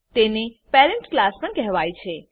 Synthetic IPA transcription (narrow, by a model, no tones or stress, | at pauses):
t̪enepeɾɛɳʈklaspəɳkɛɦʋajt͡ʃʰe